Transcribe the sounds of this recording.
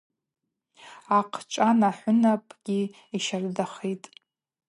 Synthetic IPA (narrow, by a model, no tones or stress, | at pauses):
aqʰt͡ʃʷʼanaħʷʊnapʼɡʲi | iʃardaχitʼ